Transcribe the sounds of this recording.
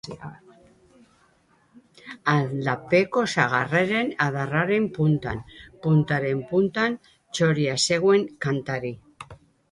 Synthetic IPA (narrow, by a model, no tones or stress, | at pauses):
aðlape̞ko̞saɣ̞areɾe̞naðaraɾe̞mpunt̪anpunt̪aɾe̞mpunt̪an | t͡ʃo̞ɾiase̞ɣwe̞ŋkant̪aɾi